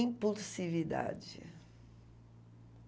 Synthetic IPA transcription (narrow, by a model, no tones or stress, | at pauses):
ĩpulsivid̪a̰d͡ʒɪ̰